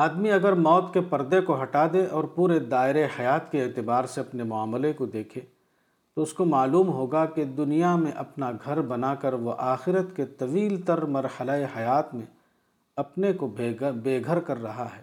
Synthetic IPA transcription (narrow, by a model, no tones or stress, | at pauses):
aːd̪miɐɡəɾmɔːt̪kepɐɾd̪ekoɦɐʈad̪eʔɔːɾpuːɾed̪aːɪɾehɐjaːt̪keːt̪ɪbaːɾseɐpnemʊaːmlekod̪eːkʰẽ | t̪oʊskomaːluːmɦoːɡaked̪ʊnijamẽʔɐpnaɡʱɐɾbɐnakɐɾʋoʔaːxɪɾət̪ket̪ɐʋiːlt̪ɐɾmɐɾhəlaehɐjaːt̪mẽ | ɐpnekobeːɡʱəɾkɐɾːɐɦaɦɛː